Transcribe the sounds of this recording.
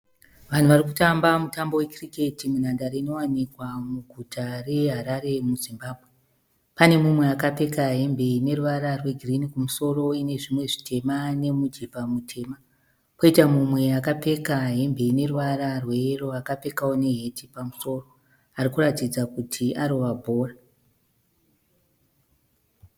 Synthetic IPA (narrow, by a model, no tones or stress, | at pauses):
ʋan̤uʋarikutambamutambo̞we̞krike̞timun̤andaɾeino̞wanikwamuɡʱutʰare̞ɦaɾaɾe̞muzimbaːbʱwe | pane̞mumwe̞akape̞kaɦe̞mbʱe̞ine̞ruʋaɾarwe̞ɡʱirinikumuso̞ro̞ine̞ʐimwe̞ʐitʰe̞mane̞mud͡ʒepamutʰe̞ːma | koitamumwe̞akape̞kaɦe̞mbʱe̞ine̞ruʋaɾarwe̞ro̞akape̞kaone̞ɦe̞tʰipamuso̞ːro | arikuratid͡zakutʰiʔaɾo̞ʋabʱo̞ːra